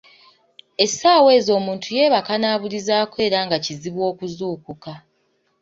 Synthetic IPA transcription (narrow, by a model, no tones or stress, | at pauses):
e̞saːwe̞ːzo̞ːmuːntʰuje̞ːβakanaːβulizaːkwe̞ːɾaŋɡaciziβwo̞ːkuzuːkuka